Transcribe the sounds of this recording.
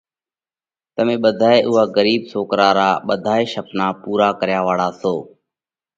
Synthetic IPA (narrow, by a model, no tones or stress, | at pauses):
t̪əmẽːɓəd̪ʱaːeːʔʊɦaːɡəɾiːɓsoːkɾaːɾaːɓəd̪ʱaːeːʃəpnaːpuːɾaːkəɾjaːʋaːɽaːsoː